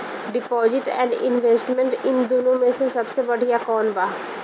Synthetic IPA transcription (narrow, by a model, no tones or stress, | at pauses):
ɖɪpɔːzɪʈɛ̰̃ːɳɖɪ̰̃nʋeːsʈmẽɳʈɪnd̪oːnõmẽsesɐbsebɐɽ̤ʱijakɔːnbaː